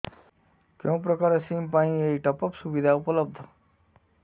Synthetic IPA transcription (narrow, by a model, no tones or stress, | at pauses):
kẽw̃pɾəkaɾesiːmpaĩeiʈəpəpsubid̪ʱaupələb̚d̪ʱ